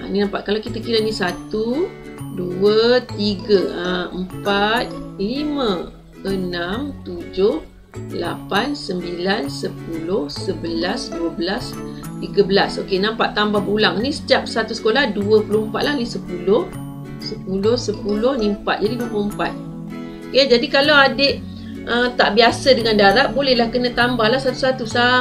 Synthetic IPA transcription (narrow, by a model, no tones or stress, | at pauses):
ʔa̰ninampat̪̚kalawkit̪əkiɾanisat̪u | duət̪iɡəəəmpat̪̚limə̃ | ənamt̪ud͡ʒʊh | lapansəmbilansəpulʊhsəbəlasduəbəlas | t̪iɡabəlasokenampaʔt̪ːambahbəulaŋnĩsə̥tap̚sat̪usə̥kolahduəpulohəmpat̪̚lahnisəpulʊh | səpulʊhsəpulʊhnimpa̰t̪̚d͡ʒadiduəpuloəmpa̰t̪̚ | oked͡ʒadikalawadeʔ | ət̪aʔbiasədəŋandaɾaʔ̚bolɛhlahkənãt̪ambahlahsat̪usat̪usa